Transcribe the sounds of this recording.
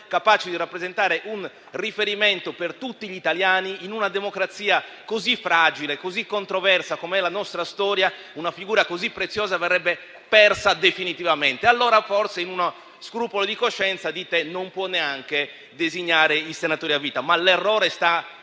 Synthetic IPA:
kapaːt͡ʃed̪iɾapːɾezɛnt̪aːɾeʔun | rifeɾimɛnt̪opert̪ut̪ːiʎit̪aljaːniinunad̪emokɾat̪siːa | kozifːɾad͡ʒilekozikːont̪ɾovɛrsakomɛlanɔst̪ɾast̪ɔːɾja | unafiɡuːɾakozipːɾet̪sːjɔːzavɛrːɛbːe | pɛrsad̪efinit̪ivamɛnt̪ealːɔːɾafɔrseinuno | skɾuːpolod̪ikoʃːɛnt̪sad̪iːt̪enompwɔnːeaŋke | d̪eziɲːaːɾeisenat̪oːɾiavːiːt̪amalɛrːɔːɾest̪a

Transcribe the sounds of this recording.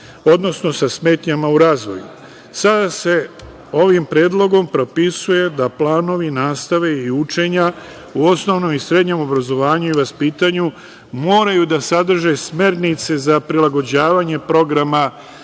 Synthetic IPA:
o̞d̪no̞sno̞sasme̞ːt̪ɲamauɾaːzʋo̞̰jṵ | sad̪ase̞ | o̞ʋimpɾeːd̪lˠo̞ɡo̞mpɾo̞pisuje̞d̪aplaːno̞ʋinaːst̪aʋe̞iut͡ʃe̞ɲa | uo̞sno̞ʋno̞misɾe̞d̪ɲe̞mo̞bɾazo̞ʋaːɲuiʋaspiːt̪aɲu | mo̞ːɾajud̪asad̪r̩ʒe̞sme̞ɾnit̪se̞zapɾilaɡo̞d͡ʑaːʋaːɲe̞pɾo̞ɡɾama

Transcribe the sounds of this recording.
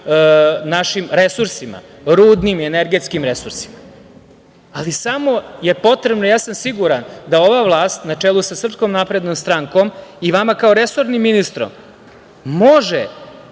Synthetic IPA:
naʃimɾe̞suɾsima̰ | ɾuːd̪nimieneɾɡet̪skimɾe̞suɾsi̥ma | lisamo̞je̞po̞t̪ɾebnojaːsamsiɡuɾand̪ao̞ʋaʋlˠaːst̪nat͡ʂelˠusasr̩pskomnapɾe̞d̪nomst̪ɾaŋko̞miʋamakaoɾe̞so̞ɾnimːinist̪ɾo̰m | moʒe

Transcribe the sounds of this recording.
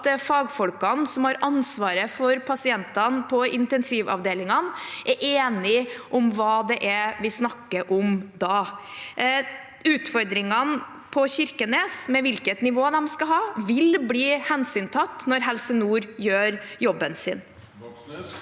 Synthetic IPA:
t̪fɑːɡfɔlkɑnsɔmhɑɾʔɑnsʋɑːɾəfɔɾpʰɑsɪɛnt̪ɑnpʰɔɪnt̪ɛnsiːʋɑ̰ʋd̪eːlɪŋɑnʔɛɾʔeːnɪʔɔmʋɑːd̪ɛʔɛʋɪsnɑkːəʔɔmd̪ɑː | ʉːt̪fɔɾd̪ɾɪŋɑn | pʰɔɕɪɾkəneːsmɛʋɪlkət̪nɪʋoːd̪ɛmskɑɦɑːʋɪlbliːhɛnsyːnt̪ʰɑt̪ːnɔɾɦɛlsənuːɾjøːɾjɔbːənsɪ̰ːn

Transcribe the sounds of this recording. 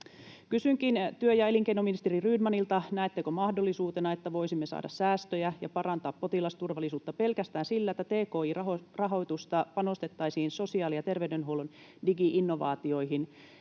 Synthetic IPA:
kysyŋkint̪yøjɑe̞liŋkeinominist̪eriryːdmɑnilt̪ɑnæet̪ːekomɑhdo̞lːisuːt̪enɑe̞t̪ːæʋo̞jsimːesɑ̰ːdɑssæːst̪øjæjɑpɑrɑnt̪ɑːpːpo̞t̪ilɑst̪urʋɑlːisuːt̪ːɑpe̞lkæst̪æːnsilːæet̪ːæt̪eːko̞ːiːrɑorɑɦo̞t̪ust̪ɑpɑno̞st̪e̞t̪ːɑisiːnso̞siɑːlijɑt̪e̞rʋeydenɦuolun | diɡiʔinːo̞ʋɑ̰ːt̪io̞iɦin

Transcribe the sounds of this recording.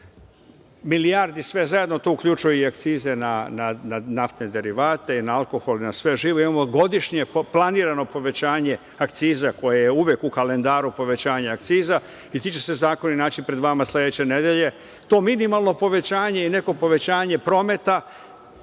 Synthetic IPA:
milijaɾd̪isʋe̞zajed̪no̞t̪uukʎut͡ʃujuiak̚t̪siːze̞nanananaft̪ned̪e̞ɾiʋaːt̪e̞inaalˠko̞xo̞linasʋe̞ʒiːʋoimamo̞ɡo̞d̪iʃɲe̞plˠaniːɾano̞po̞ʋe̞t͡ɕaːɲe̞ | akt̪siːzako̞jejeuʋjekukale̞nd̪aːɾupo̞ʋe̞t͡ɕaːɲaakt̪siːza | it̪it͡ɕe̞se̞zaːkoninaːt͡ɕipɾe̞d̪ʋamaslʲed̪e̞t͡ɕe̞ne̞d̪jeʎe̞ | t̪o̞ːminimalˠno̞po̞ʋe̞t͡ɕaːɲe̞ine̞ko̞po̞ʋe̞t͡ɕaːɲe̞pɾo̞ːme̞t̪a

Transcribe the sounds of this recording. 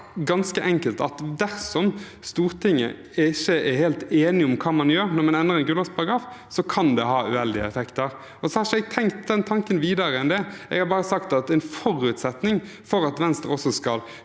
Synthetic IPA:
ɡɑnskəʔɛŋkəlt̪ɑ̰t̪d̪æɾsɔm | st̪uːɾt̪ʰɪŋːə̰ | ɛɪçːəʔɛheːlt̪eːnɪɔmkʰɑːmɑnjøːɾnɔɾmɑnɛnːəɾɛɪnɡʉːlʋɑspʰɑɾɑɡʁɑːf | sɔkʰɑnd̪ɛɦɑːʉ̰ɛld̪ɪə̰ɛfɛkt̪əɾ | ɔsɔhɑɾʃɛɡt̪ʰɛŋkt̪d̪ɛnt̪ʰɑŋkənʋiːd̪ɑɾəɛnd̪ɛɛ̰ɡhɑɾbɑːɾəsɑkt̪ɑt̪ɛɪnfɔɾʉːt̪sɛt̪nɪŋ | fɔɾɑt̪ʋɛnst̪əɾɔsɔskɑl

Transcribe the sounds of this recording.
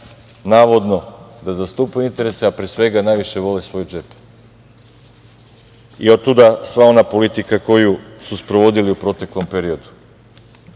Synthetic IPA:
naːʋo̞d̪no̞d̪azast̪upeint̪e̞ɾe̞seapɾesʋe̞ɡanajʋiʃe̞ʋo̞lesʋo̞jud͡ʒep | iod̪̚t̪ud̪asʋao̞napo̞lit̪ikako̞jususpɾoʋo̞d̪iliupɾo̞t̪e̞klo̞mpe̞ɾio̞d̪u̥

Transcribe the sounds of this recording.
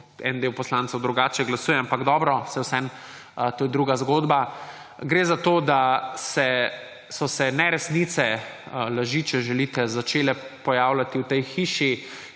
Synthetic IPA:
ɛ̰nd̪ewpɔslãntsɔwd̪ɾuɡaːt͡ʃɛɡlasuːjɛampaɡd̪ɔːbɾɔsɛwsɛn | t̪oːjɛd̪ɾuɡazɡoːd̪ba | ɡɾeːzat̪oːd̪asɛ | sɔsɛnɛɾɛsnit̪sɛlaʒiːt͡ʃɛʒɛlit̪ɛzat͡ʃeːlɛpɔjaːwlat̪iwt̪ɛjxiːʃi

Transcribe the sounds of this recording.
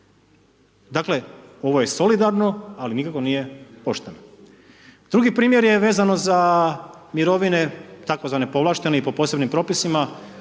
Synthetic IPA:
d̪aːkle̞o̞ʋo̞jeso̞lid̪aɾno̞alinikako̞nije̞po̞ʃt̪eno | d̪̥ɾuɡipɾiːmje̞ɾje̞ʋeːzanoza | miɾo̞ʋine̞t̪akozʋane̞po̞ʋlˠaːʃt̪e̞neipo̞po̞ːse̞bnimpɾo̞ːpisima

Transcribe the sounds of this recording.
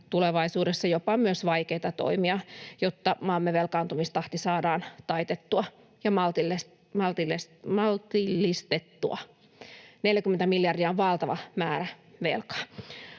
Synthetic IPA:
t̪uleʋɑisuːdesːɑjopɑmyøsʋɑikeit̪ɑt̪o̰imiɑjot̪ːɑmɑmːeʋelkɑːnt̪umist̪ɑht̪isɑːdɑːnt̪ɑit̪et̪ːuɑ | jɑmɑlt̪iles | mɑlt̪iles | mɑlt̪ilːist̪et̪ːṵɑ̰ | neljækyment̪æmiljɑrdiɑoʋʋɑlt̪ɑʋɑmæːɾæʋḛlkɑ̥

